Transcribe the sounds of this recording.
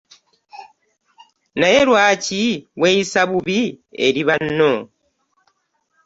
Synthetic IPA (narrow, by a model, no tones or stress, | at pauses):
najeɾwaːciwejisaβuβiḛɾiβanːo